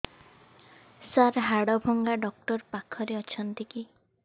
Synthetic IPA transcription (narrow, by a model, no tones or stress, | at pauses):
saɾɦaɽɔbʱɔŋɡaɖɔk̚ʈɔɾpakʰɔɾeɔt͡ʃʰɔnt̪iki